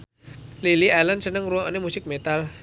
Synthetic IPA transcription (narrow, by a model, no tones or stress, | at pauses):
lilialənsənəŋruɔnemusɪk̚met̪al